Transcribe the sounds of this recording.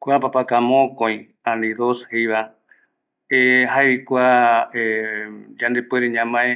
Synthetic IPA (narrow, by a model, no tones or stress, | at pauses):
kʷeapapakãmõkõj̃ | ãnĩðoshejβa | eɦajkʷae | d͡ʒãnd̪epweɾeɲãmãe